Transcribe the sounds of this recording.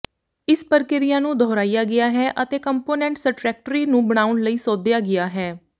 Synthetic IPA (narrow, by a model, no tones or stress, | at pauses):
ɪspəɾkɪɾɪjãːnũːd̪ʱɔːɾaːijaːɡɪaːɦɛːʔət̪eːkəmpoːnɛ̃ːɳʈsəʈɾɛːk̚ʈəɾiːnũːbəɽ̃aːʊnləiːsɔːd̪ɪjaːɡɪjaːɦɛː